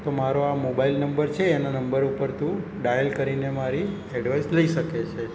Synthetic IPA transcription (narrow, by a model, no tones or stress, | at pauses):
t̪omaɾoamobailnəmbəɾt͡ʃʰeːnanəmbəɾupəɾt̪ʰũ | ɖajəlkəɾinemaɾi | eɖʋajsləiʃəket͡ʃʰe